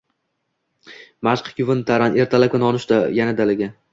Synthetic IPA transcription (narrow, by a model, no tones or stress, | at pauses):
maʃqʰkʲʊvɪnt̪ʰaɾane̞ɾt̪ʰalakʲanɒnɪʃd̪ajanad̪alɪɡʲa